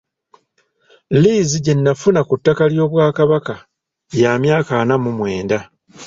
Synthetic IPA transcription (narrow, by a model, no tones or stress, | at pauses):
liːziɟe̞nːafunakutːakaljo̞ːβwaːkaβaka | jaːmjaːkaːnamumwe̞ːnda